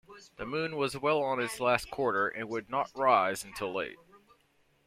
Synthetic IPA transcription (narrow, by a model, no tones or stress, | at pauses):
ðɨmʉ̃nwʌzwɛlˠə̃nɨtslæskʰw̥ɔɹɾə˞ʔɨ̃nwɨdⁿnəʔ̚ɹaɪzɨ̃n̩tʰɪlˠḛɪt̚